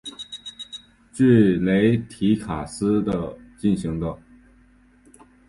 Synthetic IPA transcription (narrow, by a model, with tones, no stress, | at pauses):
t͡ɕy˥˩le˧˥ɪt̪ʰi˧˥kʰa˨˩sɹ̩˥d̪ə˧t͡ɕi˥˩nɕi˧˥ŋd̪ə˥˧